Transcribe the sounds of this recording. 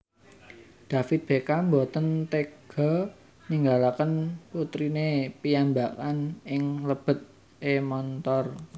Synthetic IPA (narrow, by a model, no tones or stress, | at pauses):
d̪̥a̤fɪt̪̚b̥e̤kambot̪ənt̪eɡ̥ɔ̤ | niŋɡalakənput̪ɾinepijambakanɪŋləb̥ə̤t̪̚ | ʔemɔnt̪ɔr